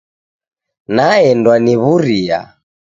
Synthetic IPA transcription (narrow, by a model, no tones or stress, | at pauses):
naɛndwaniβuɾia̰